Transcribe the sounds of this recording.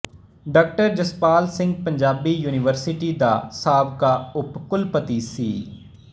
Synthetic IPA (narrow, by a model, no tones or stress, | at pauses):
ɖaːk̚ʈəɾd͡ʒəspaːlsɪ̃ŋɡ̚pəɲd͡ʒaːbiːjuːnɪʋəɾsɪʈiːd̪a̰ːsaːbkaːʊpkʊlpət̪iːsḭː